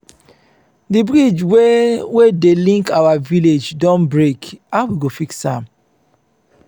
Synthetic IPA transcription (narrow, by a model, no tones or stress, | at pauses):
dibɹid͡ʒwewedelĩŋkawaviled͡ʒdɔ̃nbɹekawiɡofiksã̰m